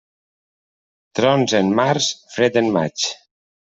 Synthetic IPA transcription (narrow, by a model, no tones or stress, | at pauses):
t̪ɾɔnzenmaɾsfɾet̪enma̰t͡ʃ